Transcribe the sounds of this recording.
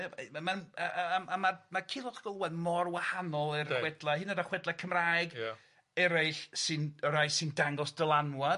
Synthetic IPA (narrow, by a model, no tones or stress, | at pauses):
amanaamamakʰɪlˠɔχɡ̥ɔlˠwɛðmɔrwahanɔlˠɪrwɛdlˠahɪnədaχwɛdlˠakʰəmraːjɡ | ɛɾaɬsɨnəɾajsɪndaŋɡɔsd̥əlˠanwa